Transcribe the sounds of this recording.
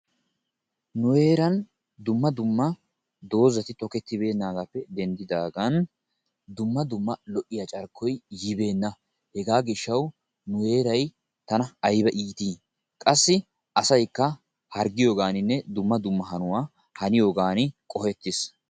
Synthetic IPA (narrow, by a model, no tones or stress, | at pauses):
nʊwe̞ːɾɐn | d̪ʊmːɐd̪ʊmːɐ | d̪o̞ːzɐt̪ɪt̪ɔkɛt̪ːɪbe̞ːnːaːɡapːɛd̪ɛnd̪ɪd̪aːɡɐn | d̪ʊmːɐd̪ʊmːɐlɔʔːɪjɐt͡ʃʼɐɾkʰːɔjjɪbe̞ːnːɐ | hɛɡaːɡɪʃːɐw | nʊe̞ːɾɐj | t̪ɐnɐɐjbɐʔiːt̪iː | kʼɐsːɪ | ʔɐsɐjkːɐ | hɐɾɡɪjo̞ːɡaːnɪnːɛd̪ʊmːɐd̪ʊmːɐɦɐnʊwaː | hɐnɪjo̞ːɡaːnɪkʼɔhɛt̪ːɪs